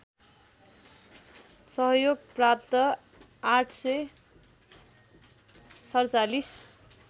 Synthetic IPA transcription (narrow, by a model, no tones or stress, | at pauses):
sʌɦʌjoɡprap̚t̪ʌ | aʈʰsʌj | sʌrt͡salis